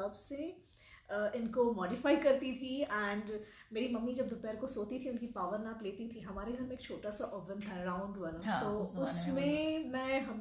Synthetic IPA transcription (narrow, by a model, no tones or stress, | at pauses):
ɐbse | əɪnkomɔːɖɪfaːikɐɾt̪it̪ʰiɛ̃ːɳɖ | meːɾimɐmːid͡ʒɐbd̪ʊpɛːɾkosoːt̪it̪ʰiʊnkipaːʋəɾnakleːt̪it̪ʰiɦɐmaːɾeɡʱɐɾmẽeːkt͡ʃʰoːʈasaʔɔːbə̃nt̪ʰaɾãːʊ̃ɳɖʋɐnt̪oːʊsmẽmɛ̃ɦɐm